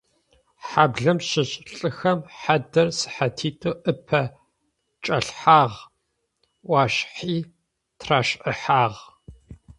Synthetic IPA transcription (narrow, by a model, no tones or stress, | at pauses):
ħaːbɮɐmʃɪɕʼɬʼɨxɐmħadɐrsɨ̥ħatʰiːtʰʼuːʔɨpʰɐ | t͡ʃʼɐɬħaːʁ | ʔʷɑːɕħiː | tʰraːʃʔəħaːʁ